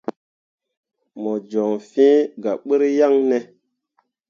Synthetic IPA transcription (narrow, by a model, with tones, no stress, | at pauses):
mɔ˨d͡ʒɔ˨ŋfĩ˦ɡa˨ɓɨ˦ɾja˦ŋnɛ˨